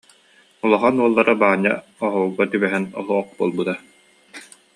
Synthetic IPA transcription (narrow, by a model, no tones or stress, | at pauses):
ulˠɔχanuɔlˠːaɾabaːɲːa̰ | ɔɦɔuɡat̪ybɛɦɛnɔ̰ɦˠuɔχ̚buɔlˠbɯt̪a